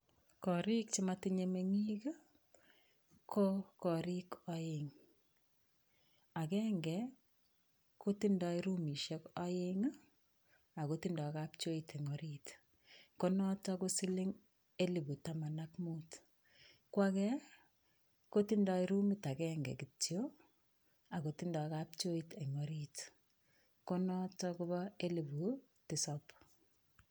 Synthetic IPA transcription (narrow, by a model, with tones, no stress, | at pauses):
kɔ˨ɾi˦k̚t͡ʃɪma˦ti˦ɲe˨me˦ŋi˦ka˦ | kʰɔ˦kɔ˨ɾi˦kɔjɪŋ | a˨kɛːŋɡɛ˨ | ko˦ti˦nda˧i˦ɾu˦mi˨ʃɛ˦kɔ˦jɪŋ˦ | a˨koti˦ndɔ˨kap̚t͡ʃo˦i˨tʰe˨ŋɔ˨ɾit | konɔ˦tɔkusi˦li˦ŋ | e˦li˨bu˨tama˨nakmut | kwakɛ | ko˦tindɔ˧iɾu˦mita˨kɛŋɡɛ̰˨kitjo | a˨koti˦ndɔ˨kap̚t͡ʃo˦ite˨ŋoɾit | ko˦nɔ˦tɔku˦βɔe˦li˨βu˨ | tisɔp